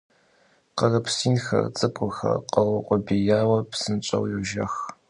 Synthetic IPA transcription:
qɐrɨpsiːnxɐ̰rt͡sʼɨkʷʼʊxɐ̰qɐwɐqʷʼʊbijaːwɐpsɨnt͡ʃʼɐ̰wjɛʒɐ̰x

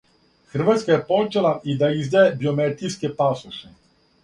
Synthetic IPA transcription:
xr̩ʋat̪skajɛpot͡ʃɛlˠaid̪aizd̪aebiomɛt̪ijskɛpasuʃɛ

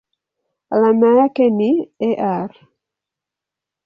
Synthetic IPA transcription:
lamakenieʔaɾ

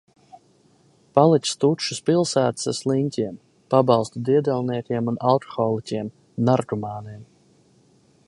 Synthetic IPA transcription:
palˠit̪ʲst̪ut̪ʃuspilˠsæːt̪ḁsaslˠinʲt̪ʲiɛm | pabɑlˠst̪ud̪iɛd̪ɛlˠniɛkʲiɛmunalˠkɔ̥xɔːlˠicʲiɛm | naɾɡumɑːniɛm

